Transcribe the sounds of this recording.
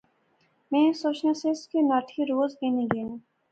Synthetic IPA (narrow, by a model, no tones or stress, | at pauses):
mẽːsoːt͡ʃnaseskenaːʈʰiɾoːzeːnĩɡeːn